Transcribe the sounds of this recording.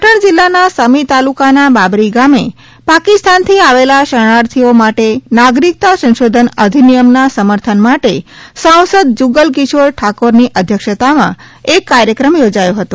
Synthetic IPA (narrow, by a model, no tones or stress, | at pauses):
əʈəɳd͡ʒilːanasəmit̪alukanababɾiɡame | pakist̪ant̪ʰiaʋelaʃəɽ̃aɾt̪ʰiomaʈenaɡɾik̚t̪asə̃nʃod̪ʱənəd̪ʱinijəmnasəməɾt̪ʰənmaʈesãw̃səd̪̚d͡ʒuɡəlkisoɾʈʰakoɾniʔəd̪ʱjəkʃət̪amã̰ | ekːaɾjəkɾəmjod͡ʒajoɦət̪ũ